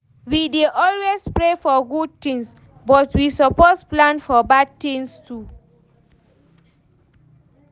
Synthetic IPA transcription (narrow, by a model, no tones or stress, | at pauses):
wideʔɔlwespɹefɔɡud̚tĩŋs | bɔtwisɔpɔsplãnfɔbad̚tĩŋstʰu